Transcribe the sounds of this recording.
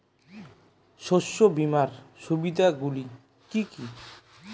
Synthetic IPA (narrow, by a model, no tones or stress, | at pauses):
ʃoʃːobimaɾʃubid̪ʱaɡuli | kiki